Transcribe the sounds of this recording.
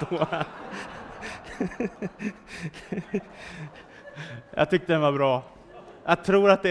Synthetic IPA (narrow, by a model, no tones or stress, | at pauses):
oː | jɑ̰ːt̪ʰʏk̚t̪əd̪ɛnvaɾbɾɑː | jʔat̪ʰɾuːɾat̪̚d̪ɛ